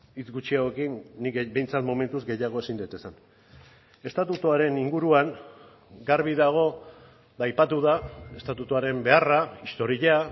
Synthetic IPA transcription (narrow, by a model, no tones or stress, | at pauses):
it͡sɡut͡ʃiawe̞kinːikbe̞jnt͡sat̪mo̞me̞nt̪uzɡe̞jaɣ̞o̞e̞sind̪ejt̪e̞san | e̞st̪at̪ut̪oaɾe̞niŋɡuɾuaŋ | ɡaɾβiðaɣ̞o̞ | ðajpat̪uðae̞st̪at̪ut̪oaɾe̞mbe̞araist̪o̞ɾiʎa